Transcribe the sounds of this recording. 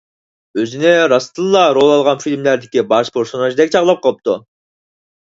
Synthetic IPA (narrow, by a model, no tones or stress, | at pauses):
øzynɛɾɑst̪ʰɨlˠlˠɑɾolˠɑlˠʁɑnfilʲmlæɾd̪ɪkʲibɑʃpʰeɾsonɑʒd̪ɛk̚ʲt͡ʃʰɑʁlˠɑp̚qʰɑlˠəp̚t̪u